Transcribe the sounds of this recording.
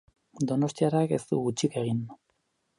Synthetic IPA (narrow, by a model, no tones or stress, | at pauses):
d̪o̞no̞st̪iaɾake̞st̪ṵɣut͡ʃike̞ɣind̪u